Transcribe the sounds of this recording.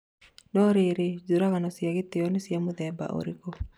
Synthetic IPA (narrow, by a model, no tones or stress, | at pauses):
nɔɾiɾed͡ʒuɾaɣanɔsiaɡit̪eɔnisiamuðɛba̰ʔo̰ɾikɔ